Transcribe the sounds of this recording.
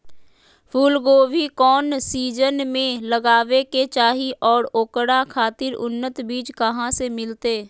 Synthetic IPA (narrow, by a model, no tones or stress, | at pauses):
pʰuːlɡoːʋikɔːnsiːd͡ʒənmẽləɡaːʋeket͡ʃaːɦiʔɔːɾoːkɽakʰaːt̪ɪɾʊnːət̪biːt͡ʃkɐɦãsemɪlt̪eː